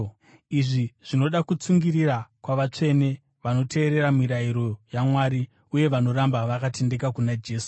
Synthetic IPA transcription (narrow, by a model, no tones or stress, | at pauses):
iʐiʐ̥ino̞ɗakut͡suŋɡirirakwaʋat͡ʂe̞ne̞ | ʋano̞tʰe̞ːɾe̞ɾamiɾaiɾo̞jamwaːɾi | uje̞ʋano̞ɾambaʋakate̞nde̞kakunad͡ʒe̞ːsu̥